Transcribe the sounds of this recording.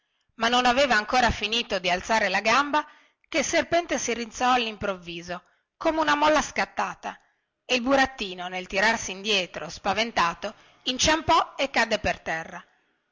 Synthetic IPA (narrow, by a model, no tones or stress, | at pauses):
manːonaveːvaːŋkoːɾafiniːt̪od̪ialt̪saːɾelaɡamba | kelserpɛnt̪esirint̪sɔalːimpɾovːiːzo | koːmeunamɔlːaskat̪ːaːt̪a | eilbuɾat̪ːiːnonelt̪iɾarsiːnd̪jɛːt̪ɾospavent̪aːt̪o | int͡ʃampɔekːad̪ːepert̪ɛrːa